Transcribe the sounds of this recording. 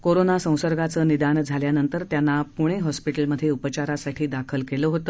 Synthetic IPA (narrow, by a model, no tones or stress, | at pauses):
koɾonasə̃w̃səɾɡʱat͡səːnid̪and͡zʱaljanənt̪əɾt̪janːapuɽ̃eɦɔspiʈəlməd̪ʱːjeupət͡ɕaɾasaʈʰiːd̪akʰəlkeləːɦot̪əː